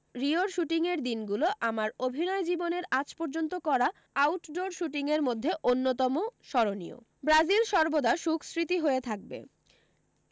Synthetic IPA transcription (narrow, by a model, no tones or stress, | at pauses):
ɾioɾʃuʈiŋeɾd̪inɡuloʔamaɾobʱinɔed͡ʑiboneɾat͡ɕpɔɾd͡ʑont̪okɔɾa | awʈɖoɾʃuʈiŋeɾmod̪ʱːeʔonːot̪ɔmoʃɔɾonḭo̰ | bɾad͡ʑilʃɔɾbod̪aʃukʰsɾit̪iɦoet̪ʰak̚bḛ